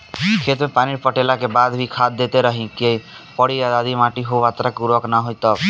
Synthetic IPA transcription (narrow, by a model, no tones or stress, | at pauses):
kʰet̪mẽpaniɾpəʈelakebad̪bʱikʰad̪̚ːet̪eɾəɦĩkej | pəɽiad̪ad̪imãʈiɦoʋat̪ɾakuɾʋəknaɦojt̪ɔ